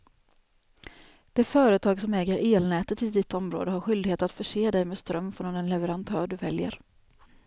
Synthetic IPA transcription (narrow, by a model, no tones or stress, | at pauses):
d̪̥ɛfœːɾət̪ʰɑːɡsɔmɛːɡəɾʔeːlnɛːt̪ət̪ʰːɪld̪ɪt̪ːɔmɾo̰ːd̪əɦaɾɧʏld̪ɪɡheːt̪at̪fœʂeːd̪ɛjmeːst̪ɾœmːfoːɔmd̪ɛnlɛvəɾant̪ʰœːɖɵvɛljə̰ɾ